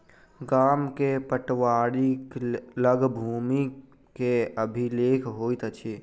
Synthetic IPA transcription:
ɡaːmkepəʈʋaːɽikləɡbʱuːmi | keəbʱileːkʰɦoːit̪ət͡ʃʰi

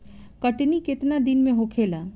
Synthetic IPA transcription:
kɐʈnikɪt̪nad̪ɪnmẽɦokʰeːlaː

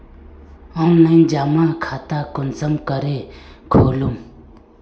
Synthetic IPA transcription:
ɦaŋnaɲd͡ʑamakʰat̪akont͡samkəɾelkʰolom

